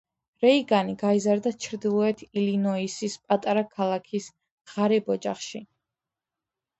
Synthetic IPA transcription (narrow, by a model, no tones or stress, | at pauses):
ɾɛiɡaniɡaizaɾd̪at͡ʃʰɾd̪ilˠɔɛt̪ʰilinɔisispʼat̪ʼaɾakʰalˠakʰis | ʁ̥aɾɛbɔd͡ʒaχʃi